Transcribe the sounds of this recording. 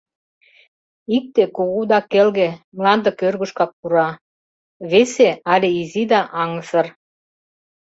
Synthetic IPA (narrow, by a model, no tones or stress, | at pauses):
ik̚t̪ekoɣud̪ɑkelɣemlɑnd̪ə̆kørɣuʃkɑk̚puɾɑ | βeseɑlʲeizid̪ɑʔɑŋəsə̆r